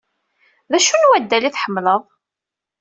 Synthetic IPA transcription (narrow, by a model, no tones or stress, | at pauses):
ðæʃunwæd̪ːæliθħəmːləðˤ